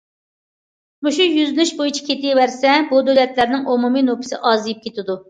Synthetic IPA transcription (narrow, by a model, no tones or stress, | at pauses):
muʃujyznɪʃbojit͡ʃʰi̥kʲʰet̪ɪjwæɾsɛbud̪ølɛt̪læɾnɪŋomuminopʰɨ̥sɪ̰ʔɑːzijip̚kʲʰet̪ɪd̪u